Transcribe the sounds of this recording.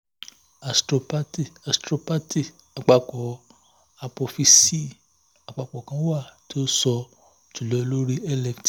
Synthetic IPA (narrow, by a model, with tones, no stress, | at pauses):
a˨stɾo˧pa˦ti˦˨a˨stɾo˧pa˦ti˦˨ | a˨k͡pa˧kɔ˨ | a˧po˧fi˧si˦˨ | a˨ɡ͡ba˧k͡pɔ˨kã˧˦wa˦˨ti˦o˦sɔ˧ | tu˨lɔ˨˧lo˦ɾi˦ɛ˦lɛ˧˨kti˨